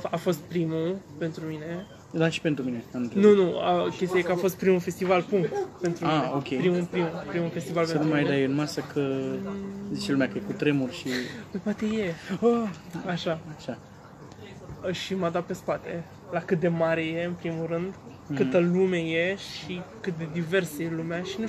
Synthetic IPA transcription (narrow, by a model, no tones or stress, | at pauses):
afo̞st̪̚pɾimupe̞nt̪ɾumine̞ | d̪aʃi̥pe̞nt̪ɾumine̞annunua̰kʲest̪ijajekəafo̞st̪̚pɾimufe̞st̪ivalpuŋkt̪pe̞nt̪ɾumaieokʲepɾimupɾimupɾimufe̞st̪ivalpenumajd̪ajɨnmasəkʰə | zit͡ʃelumeakəjekut̪ɾe̞murʲʃipəjpoat̪e̞jeəaʃaaʃa | əʃimad̪at̪̚pe̞spat̪e̞ | lakɨt̪̚d̪e̞maɾe̞je̞ɨnpɾimurɨnd̪ | kɨt̪əlume̞jeʃikɨt̪̚d̪e̞d̪ive̞rsəjelumeaʃinu